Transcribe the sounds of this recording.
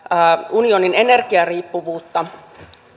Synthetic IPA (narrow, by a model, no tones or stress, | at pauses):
unio̞ninene̞rkiɑriːpːuʋuːt̪ːɑ